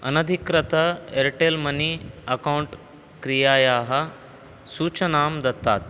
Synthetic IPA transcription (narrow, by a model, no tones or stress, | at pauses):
ɐ̰nɐd̪ʱikɾɐt̪ɐeɾʈelmɐniɐkauɳʈ | kɾijaːjaːɦɐ | suːt͡ɕɐnaːmd̪ɐt̪ːa̰t̪